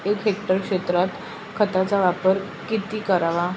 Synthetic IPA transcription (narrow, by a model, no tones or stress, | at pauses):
ekɦek̚ʈəɾkʂet̪ɾat̪ | kʰət̪at͡saʋapəɾ | kit̪iːkəɾaʋa